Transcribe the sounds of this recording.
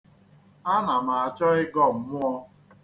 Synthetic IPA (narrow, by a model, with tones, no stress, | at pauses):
a˦na˨ma˨a˨t͡ʃɔ˦ɪ˦ɡɔ˦˨m̩˨˦mʊ˦ɔ˦